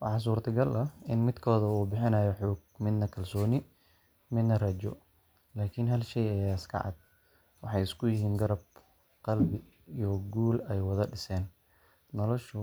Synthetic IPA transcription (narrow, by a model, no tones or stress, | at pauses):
wɑ̰ħɑːs̬uːrt̪ʰɐɡɐlɐɪnmɪd̪kʰɔːðɐuːbɪħɪnaːjɔħɔːɡ̚mɪd̪nɐkʰɐlsɔːnɪ | mɪd̪nɐrɐt͡ʃɔ̰ | laːkʰɪnɦɐlʃɛjɐjaɪskʰɑ̰ʕɑ̰d̪̚ | wɑħɑjɪskʰʊjɪɦiːnɡɐɾɐb̚ | qɑlbɪ | iːjɔɡuːlɛjwɑðɐɖɪsɛːnː | ɔlɔʃʊ